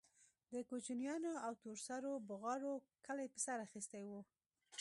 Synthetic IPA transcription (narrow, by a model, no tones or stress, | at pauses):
d̪əkot͡ʃinjɑnoawt̪oɾsaɾobʊɣɑɽokəlajpəsaɾaxist̪ajwu